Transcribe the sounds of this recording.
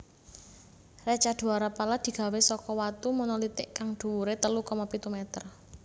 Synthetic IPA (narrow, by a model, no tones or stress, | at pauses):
rat͡ʃad̪̥ṳaɾapalad̪̥i̤ɡ̥a̤wesɔkɔwat̪umunɔlit̪ɪʔkaŋɖ̪̥ṳwuɾet̪əlukɔmɔpit̪umɛt̪ər